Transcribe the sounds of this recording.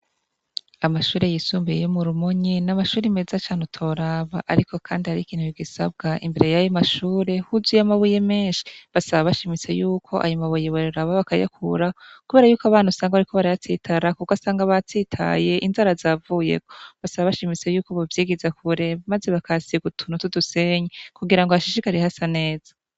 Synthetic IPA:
amaʃuːɾe̞jisuːmbḛjomuɾumoɲinamaʃuːɾime̞zat͡ʃaːn̥utʰo̞ɾaːβaʔaɾikʰo̞kʰaːndihaɾikiːn̥huiɡisa̰b̚ɡaʔḭmbe̞ɾe̞jajomaʃuːɾe̞huzujamaβuje̞meːnʃi̥βasaβaβaʃimit͡se̞juːkʰo̞ʔa̰jumaβujeβoɾuɾaβaβakaja̰kʰuɾakuβe̞ːɾajuːkoaβaːnusaːŋɡaβaɾikʰo̞βaɾaatitʰaɾakukasaːŋɡaβatitʰa̰je̞ʔinzaɾazaːvujḛkoβasaβaβaʃimit͡se̞juːkoβavjiːɡizakʰuɾemaze̞βakʰasiɡutʰunutuduseɲekuɡiɾaŋɡohaʃiʃikaɾehasane̞ːz̥ḁ

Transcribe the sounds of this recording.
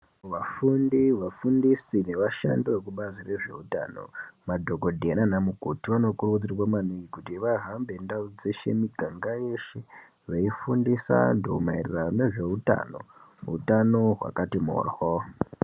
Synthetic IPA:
ʋafundiʋafundisine̞ʋaʃa̰ndiekuɓazire̞ʐe̞̰uta̰ːno̞̰madʱoɡodʱenanamukotiwanokurud͡zirwamanuɡikutiʋaɦambe̞ndaud͡zeʃḛmiɡʱaŋɡajeʃe | ʋaifundisa̰ndomairirane̞ʐe̞uta̰no̞̰ɦṵtano̞ɦwa̰katimo̰rho

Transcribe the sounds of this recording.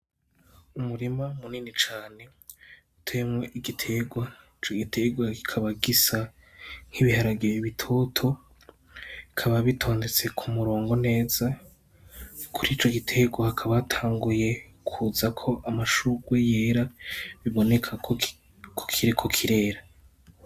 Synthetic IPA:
umuɾimamuniːnit͡ʃaːne̞ | utʰemweʔiɡitʰe̞ɡwait͡ʃo̞ɡitʰe̞ɡwaɡi̥kʰaβaɡisa | ŋ̥hiβihaɾaɡijiβitʰo̞ːtʰo̞ | ikʰaβaβitʰo̞ːnde̞t͡se̞kʰumuɾo̞ːŋɡo̞ne̞ːz̥a | kʰuɾit͡ʃo̞ɡitʰe̞ɡwahakʰaβaːtʰaːŋɡuje̞ | kʰuzakʰo̞ʔamaʃuɡweje̞ːɾaβiβo̞ne̞kʰa | kʰo̥kʰiɾikʰokʰiɾe̞ːɾa

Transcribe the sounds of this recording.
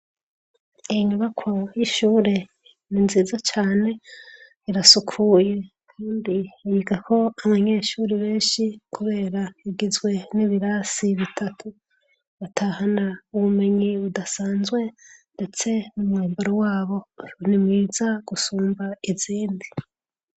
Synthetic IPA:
iɲuβakʰojiʃuːɾe | ninziːzat͡ʃaːne̞ | iɾasukʰuːje̞ | kʰaːndijiɡako̞aβaɲe̞ʃuːɾiβe̞ːnʃikuβe̞ːɾaiɡizɡwe̞niβiɾasiβitʰatʰu | βatʰahanauβume̞ɲiudasaːnzɡwe̞nde̞t͡se̞numŋeːmboɾowaːβo̞nimŋiːz̥aɡ̥usuːmbaiziːndi

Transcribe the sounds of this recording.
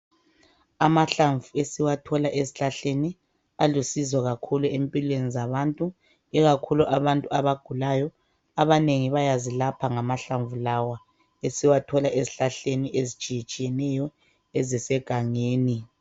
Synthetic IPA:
amaɬaɱvuesiwatʰɔlaʔeziɬaɬeni | alusizɔɣakʰuluempʼilwenizaβantʼu | iɣakʰuluʔaβantʼuaβaɡ̥ʱulajɔ | aβaneŋiβajazilapʰaŋamaɬaɱvulawa | esiwatʰɔlaʔeziɬaɬeniʔezit͡ʃʼijit͡ʃʼijɛnɛjɔ | ɛzɛsɛɡ̥ʱaŋeːni

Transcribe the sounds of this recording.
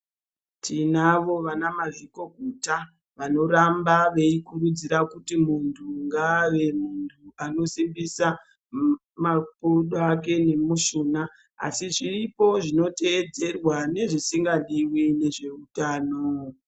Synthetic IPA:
tʰinaʋo̞ʋanamaʐiko̞ɡʱuta | ʋano̞ɾambaʋe̞ikurud͡ziɾakutimuntʰuŋɡaʋe̞muntʰuano̞simbisa | mapuɗake̞ne̞muʃuːna | a̰siʐiripo̞ʐino̞te̞ːd͡ze̞rwane̞ʐisiŋɡaɗiwine̞ʐe̞utaːno

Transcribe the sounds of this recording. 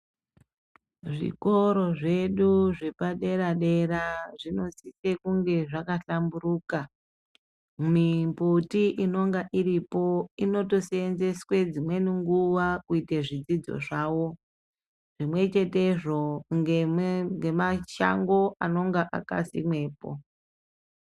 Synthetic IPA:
ʐḭko̞ɾo̞ʐe̞ɗuʐepaɗe̞ɾaɗe̞ɾaʐino̞sise̞kuŋɡe̞ʐakaɬamburuːka | mimputiʔino̞ŋɡaʔiɾipo̞ino̞to̞seenze̞swe̞d͡zimwe̞niŋɡuʋakuiteʐid͡zid͡zo̞̰ʐaːwo̞ | ʐ̥imwe̞t͡ʃe̞te̞ʐo̞ŋɡeŋɡemaʃa̰ŋɡo̞ano̞ŋɡaʔa̰ka̰sḭmwe̞ːpo̞̰

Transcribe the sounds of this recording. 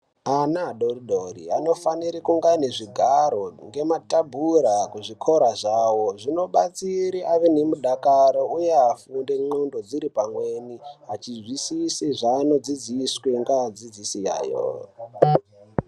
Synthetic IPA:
anaːɗoriɗorḭano̞faniɾikuŋɡaneʐiɡʱaɾo̞ŋɡe̞matabʱuɾakuʐikʰo̞ɾaʐawo̞ʐino̞ɓat͡siɾiʔaʋenemuɗakaɾoujeafunde̞ŋ͡ǃondo̞d͡ziɾipamweniat͡ʃizwisisiʐaːno̞d͡zid͡zisweŋɡaːd͡zid͡zisija̰ːjo̰

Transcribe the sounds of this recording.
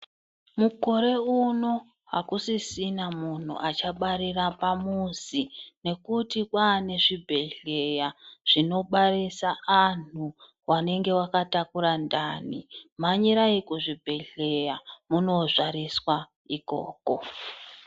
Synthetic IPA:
muko̞ɾe̞uno̞ | ɦa̰kusisinamun̤ṵʔat͡ʃaɓaɾirapamuzine̞kutikwaːne̞ʐibʱe̞ɮe̞jaʐ̥ino̞ɓarisaan̤u | wane̞ŋɡe̞wakatakuɾandaːnimaɲiɾaikuʐibʱe̞ɮe̞jamuno̞ʐaɾiswa | iko̞̰ːko̞

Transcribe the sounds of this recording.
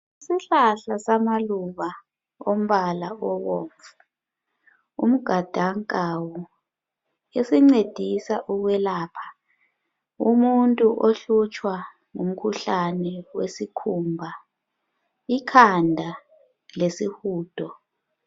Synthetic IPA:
isiɬaɬasamaluβa | om̩βalaɔwo̰ːɱvu | ṵm̩ɡ̥ʱad̥ʱaŋkʼawɔ | esiŋ͡ǀed̥ʱisaʔuɣwɛlaːpʰḁ | umuntʼuʔoɬut͡ʃʼwa | ŋum̩kʰuɬanɛwesikʰumbʱa | ikʰandʱa | lesihuːd̥ʰʱɔ

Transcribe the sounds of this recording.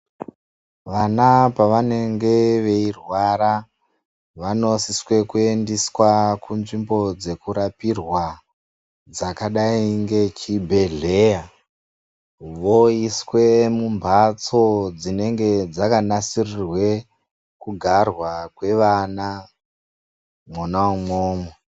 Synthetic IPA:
ʋanapaʋane̞ŋɡe̞ʋe̞irwaɾa | ʋano̞siswe̞kue̞ndiswakunʐimbo̞d͡ze̞kuɾapirwa | d͡zakaɗaiŋɡe̞t͡ʃibʱe̞ɮe̞ja | ʋoiswe̞mumbʱat͡so̞d͡zine̞ŋɡe̞d͡zakanasirirwe̞ | kuɡʱarwakwe̞ʋana | monamoːmo

